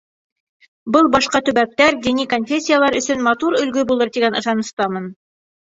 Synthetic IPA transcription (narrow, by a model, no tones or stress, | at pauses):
bɤlˠbɑʃqɑt̪ɵ̆βæk̚t̪æɾd̪inikonfʲesʲːijalˠɑɾɵ̆sɵnmɑt̪uɾɵ̆lɡɵbulˠɤɾt̪iɡænɤ̆ʃɑnɤ̆st̪ɑmɤn